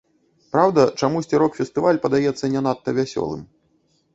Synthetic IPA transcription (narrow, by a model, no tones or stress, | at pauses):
pɾawd̪ɐt͡ʂamusʲt͡sʲiɾɔkfʲɛst̪ɨvalʲpɐd̪ajɛt̪sːɐnʲɛnat̪ːɐvʲasʲɔ̰lˠɨ̰m